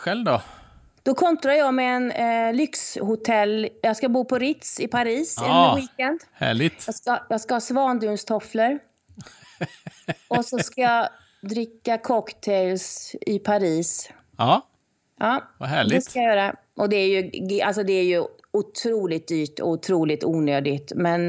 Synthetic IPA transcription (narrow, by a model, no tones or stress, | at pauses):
ɧɛlvd̪ɔ | d̪̥ɔkʰɔnt̪ɾajɑmɛɛnlʏkshʊt̪ʰɛlːjɑːɡskabuːpʰɔɾɪt̪sɪpʰaɾiːsɛwiːkɛnd̪hæ̰ːɭɪɡt̪ɑskajɑskahɑːsvɑːnd̪ʉnst̪ʰɔfləɾ | ɔsɔskajɑ | d̪ɾɪkːakʰɔkt̪ʰɛɪlsɪpʰaɾiːs | ɑː | ʔɑːɦæːɭdɪɛskajajœːɾa | ʔɔd̪ɛæɾjɵɡa̰lsɔd̪ɛæɾjɵ | ʊt̪ʰɾuːlɪt̪̚d̪yːʈɔ̰ʊt̪ʰɾuːlɪt̪uːnøːd̪ɪt̪mɛn